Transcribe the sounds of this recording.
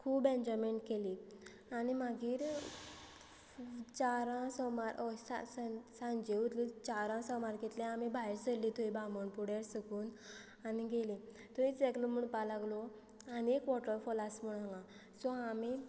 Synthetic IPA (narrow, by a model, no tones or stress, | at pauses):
kʰuːbɛ̃nd͡ʑɔmeɳʈkeli | animaɡiːɾ | t͡ɕaɾãsɔmaɾʔɔsa̰ssãnd͡ʑeut̪lit͡ɕaɾãsɔmaɾket̪lɛ̃amibʱajɾsəɾlit̪ʰoibamɔɳpuɽeɾsəkuːn | aniɡelĩ | t̪ɔit͡sɛklɔmuɳpalaɡlɔ | aniekʋɔʈəɾfɔlasmuɽãŋɡã | sɔami